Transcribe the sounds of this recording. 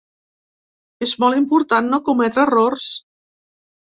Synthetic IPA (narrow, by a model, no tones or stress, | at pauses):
ezmɔlˠimpuɾt̪anːokumɛt̪ɾərors